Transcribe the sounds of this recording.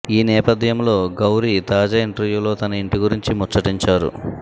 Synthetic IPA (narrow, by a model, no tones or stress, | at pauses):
iːnɛːpɐd̪ʱjɐmlo̞ːɡɐwɾit̪aːd͡ʒaːiɳʈɐɾʋjuːlo̞ːt̪ɐnɐiɳʈiɡuɾiɲt͡ʃimɔt͡ʃːɐʈiɲt͡ʃaːɾṵ